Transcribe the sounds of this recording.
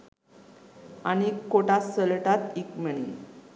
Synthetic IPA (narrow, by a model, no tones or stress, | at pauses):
anikːoʈasəlʈat̪ikməɳ̃ḭ